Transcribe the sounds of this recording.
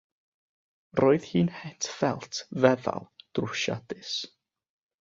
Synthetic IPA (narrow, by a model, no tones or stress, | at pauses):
roːɨðhiːnhɛtʰfɛlˠtʰvɛða̰lˠd̥rʊʃa̰dɨs